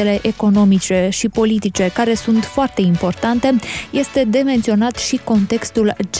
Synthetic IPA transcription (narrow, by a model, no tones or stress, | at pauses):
ele̞ʔeko̞no̞mit͡ʃe̞ʃipo̞lit̪it͡ʃe̞kaɾe̞sunt̪foart̪e̞impo̞rt̪ant̪e̞je̞st̪e̞d̪e̞me̞nt̪sio̞nat̪ʃiko̞nt̪e̞kst̪uld͡ʒ